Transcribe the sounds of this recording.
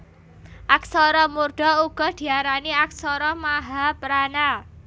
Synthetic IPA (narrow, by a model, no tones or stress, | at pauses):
ʔak̚sɔɾɔmurɖ̥ɔ̤uɡ̥ɔ̤d̪̥i̤aɾaniak̚sɔɾɔmaɦapɾana